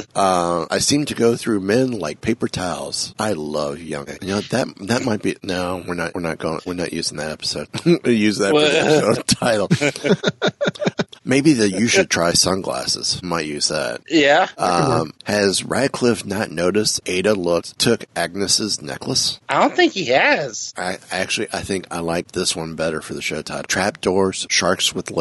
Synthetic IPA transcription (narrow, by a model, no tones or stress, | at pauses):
ʌ̃a̰ɪsĩmtʰɨɡoʊθɹʉmɛ̃nlaɪk̚pʰeɪpə˞tʰaʊz̥aɪlʌvjʌ̰̃ŋɨ̰noʊðɨt̚ðɨt̚maɪt̚b̥inoʊwɨɹnɨʔwɨɹnɨt̚ɡ̥oʊɪ̰̃ŋwɨɹnɨ̰ʔjʉzɪ̃ŋðɨɾɛpə̥soʊd̥̚jʉzðɨɾoʊtʰaɪɾl̩ˠ | meɪbiðɨjɨʃɨd̚tʰɹ̥aɪsʌ̃nɡlæ̰sɨ̰z̥maɪʔ̚jʉz̥ðæ̰t̚jæʌ̃mhɨzɹæɪkʰl̥ɪfnətⁿnoʊɾɨsteɪɾəlʊk̚tʰʊkæɡ̚nɨsɨznɛ̰kʰlˠəsaɪdõʊ̃nθɪ̃ŋkhiɨz̥aɪæk̚t͡ʃʉl̩ˠiʔaɪθɪ̃ŋka̰ɪlaɪk̚ðɪswʌ̃nbɛɾə˞fə˞ðɨʃoʊtʰaɪɾl̩tʰɹ̥æp̚d̥ɔɹz̥ʃɑɹkswəðl